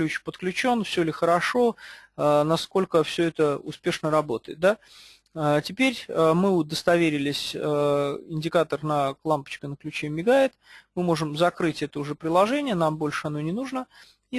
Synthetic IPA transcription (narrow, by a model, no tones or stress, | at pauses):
lʲut͡ɕpət̪klʲʉt͡ɕo̞nfsʲɵlʲɪxəɾɐʂo̞ənɐsko̞lʲkəfsʲɵɛt̪əʊ̰spʲe̞ʂnəɾɐbo̞t̪əjɪt̪̚d̪a | ətʲɪpʲeɾʲəmɨʊd̪əst̪ɐvʲeɾʲɪlʲɪsʲəɪnʲdʲɪkat̪ərnəklˠampə̥t͡ɕkənəklʲʉt͡ɕemʲːɪɡaɪt̪mɨmoʐɨmzɐkɾɨtʲɛt̪əʊʐɛpɾʲɪlˠɐʐɛnʲɪjənambo̞lʲʂɨɐnonʲɪnuʐnə | i